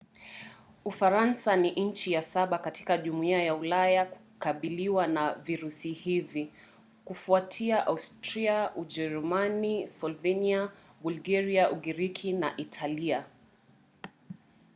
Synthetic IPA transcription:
ufaɾansaniʔɲ̩t͡ʃijasaɓakati̥kaʄumuiajaulajaku̥kaɓiliwanaviɾusihivi | kufuatʰiaʔaustɾiauʄɛɾumanisɔlvɛnia | ɓulɡaɾiaʔuɡiɾikʰina̰ʔitʰalia

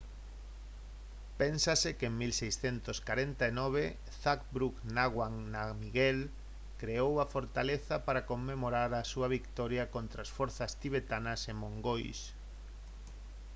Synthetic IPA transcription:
pɛnsasɪkeŋmilsejsθent̪oskaɾent̪aenɔβ̞e | θak̚bɾuknaɣwaŋnamiɣɛl | kɾeowɐfoɾt̪aleθapaɾakomːemoɾaɾasuɐβikt̪ɔɾjɐkont̪ɾasfɔɾθɐst̪iβ̞et̪anɐsemõŋɡojs

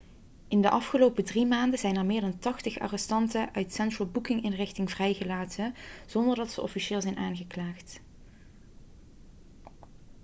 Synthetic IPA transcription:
ʔɪndəʔɑfχəlowpədrimaːndəzɛjnɛɹmɪːɹdɑntɑχtəχa̰ːrɛstɑntəʔœɥtsɛntɹəlˠbukɪŋɪnrɪxtɪŋvrɛjɣəlaːtəz̥ɔndəɹdɑtsəʔɔfiʃɪːlˠzɛjnʔaːnɣəklaːχt

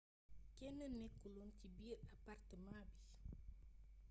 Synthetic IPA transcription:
kɛnənːɛkːulɔncibiːɾapart̪əmabil

